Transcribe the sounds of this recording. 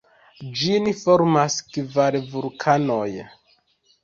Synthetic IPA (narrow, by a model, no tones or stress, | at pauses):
d͡ʒinifoɾmaskvaɾvulkʰano̞j